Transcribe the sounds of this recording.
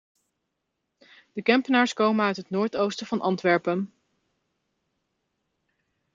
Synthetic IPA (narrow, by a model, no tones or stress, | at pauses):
d̥əkɛmpənaːɹskowmənœɥtɦətnoːɹtowstəv̥ɑnʔɑntʋɛɹpən